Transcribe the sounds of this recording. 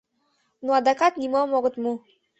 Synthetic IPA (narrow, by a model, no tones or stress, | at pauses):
nuad̪akat̪nʲimɔmɔɡə̆t̪mu